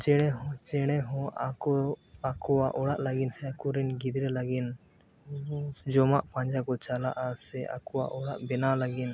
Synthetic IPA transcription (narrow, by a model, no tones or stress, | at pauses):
t͡ʃɛɽ̃ɛɦɔ̃t͡ʃɛɽ̃ɛɦɔ̃ʔakɔakɔwaʔɔɽaʔlaɡinsɛakɔɾɛnɡid̪ɾɛlaɡin | d͡ʒɔmaʔpãɲd͡ʒakɔt͡ʃalaʔasɛʔa̰kɔwa̰ʔɔɽaʔbɛnalaɡin